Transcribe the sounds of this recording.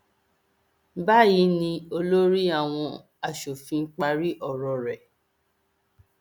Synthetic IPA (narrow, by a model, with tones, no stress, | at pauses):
ba˦˨ji˨˦nĩ˧o˧lo˦ɾi˦a˦˨w̃ɔ̃˧ | a˨ʃo˨fĩ˧˦k͡pa˧ɾi˦ʔɔ˨ɾɔ˨ɾɛ˨